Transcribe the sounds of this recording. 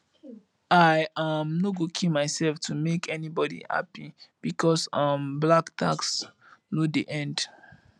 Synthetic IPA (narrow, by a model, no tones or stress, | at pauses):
aɪamnoɡokʰimaɪsɛlftumekʰɛnibɔdḭha̰pib̥ikʰɔsʌmblaktʰa̰ks | nudiʔɛ̃nd